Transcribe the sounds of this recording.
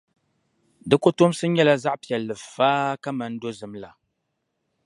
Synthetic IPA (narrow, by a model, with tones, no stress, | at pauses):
dɨ˦ko˦to˦m˦sɨ˦ɲɛ˦la˦za˦ʔpi˨ɛ˨lːɨ˨faː˦ka˦ma˨n˦do˦zɨ˨mla˨